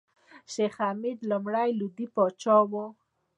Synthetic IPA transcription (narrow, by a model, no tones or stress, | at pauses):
ʃexamid̪lamɽajlud̪ipɔt͡ʃɔwo